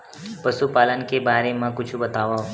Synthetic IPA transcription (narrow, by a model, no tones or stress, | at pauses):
pɐsupaːlənkebaːɾemãkʊt͡ʃʰbɐt̪aːʋaɦ